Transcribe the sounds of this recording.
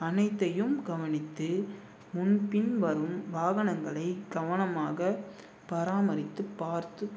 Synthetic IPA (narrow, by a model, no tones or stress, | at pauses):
ɐnɐɪt̪ːɐjɯmɡɐʋɐnɪt̪ːɯ | mʊnpɪnʋɐɾɯmʋaːɣɐnɐŋɡɐɭɐɪɡɐʋɐnɐmaːɣɐ | pɐɾaːmɐɾɪt̪ːɯpːaːɾt̪ɯ